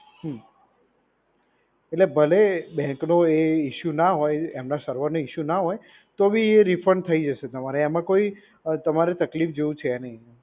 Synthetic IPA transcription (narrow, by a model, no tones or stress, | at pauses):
ɦə | eʈlebʱəlebɛ̃ŋknoeiʃunaɦojemnasəɾʋəɾnoiʃunaɦoj | t̪obieɾifʰɾəɳɖt̪ʰəid͡ʒəʃet̪əmaɾeːmãkoi | t̪əmaɾet̪əklifd͡ʒeũt͡ʃʰeːnəɦĩ